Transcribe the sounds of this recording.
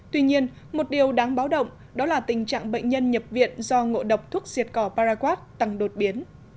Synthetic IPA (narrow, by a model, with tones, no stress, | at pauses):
t̪wi˧ɲi˧ən | mo˨˩t̚ɗi˨˩əwɗaː˨˦ŋɓaː˨˦wɗə̰˧˨wŋ͡m | ɗɔ˨˦laː˨˩t̪ï˨˩ŋ̟t͡ɕa̰ː˧˨ŋɓə̰˧˨ŋ̟ɲə˧nɲə˨˩p̚vḭ˧˨ənzɔ˧ŋo̰˧˨ɗə˨˩wk͡p̚t̪ʰu˦˥ək̚zi˨˩ət̚kɔ˧˩paː˧zaː˧kwaː˦˥t̚t̪a˨˩ŋɗo˨˩t̚ɓi˨˦ən